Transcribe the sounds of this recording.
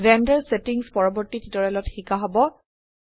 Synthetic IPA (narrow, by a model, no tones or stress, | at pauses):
zɛndɛɹsetiŋspɔɹɔbɔɹtititɔɹɛlɔtxikaɦɔbɔ